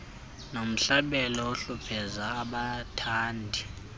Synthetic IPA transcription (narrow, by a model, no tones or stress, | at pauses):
nom̩ɬaɓɛlɔoɬupʰɛzaːɓatʰaːndʱi